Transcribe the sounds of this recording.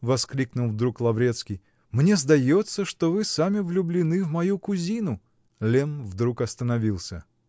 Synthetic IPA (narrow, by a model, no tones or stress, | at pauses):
vɐsklʲiknʊlˠvd̪ɾuklˠɐvɾʲe̞t̪skʲij | mnʲezd̪ɐjot̪sːəʂt̪ovɨsamʲɪvlʲʊblʲɪnɨvmɐjukʊzʲinʊ | lʲenvd̪ɾukɐst̪ənɐvʲilˠsʲə